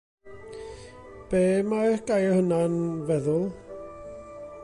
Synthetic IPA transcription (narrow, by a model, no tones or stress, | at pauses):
b̥eːmaɛɡ̥ajɔhənanvɛðʊlˠ